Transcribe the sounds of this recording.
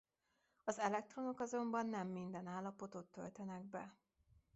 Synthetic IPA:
ɒzɛlɛk̚t̪ro̞no̞kɒzo̞mbɒnːɛmːind̪ɛnaːlːɒpo̞t̪o̞t̪ːø̰lt̪ɛnɛɡbɛ

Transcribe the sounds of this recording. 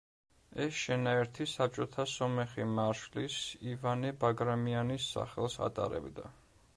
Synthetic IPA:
ɛsʃɛnaɛɾt̪ʰisap̚t͡ʃʼɔt̪ʰasɔmɛχimaɾʃlisivanɛbaɡɾamianisːa̰χɛlˠsa̰t̪ʼa̰ɾɛ̰bd̪a̰

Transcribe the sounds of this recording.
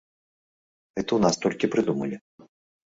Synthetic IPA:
ɣɛt̪ɐwnast̪ɔlʲkʲipɾɨd̪umɐlʲi

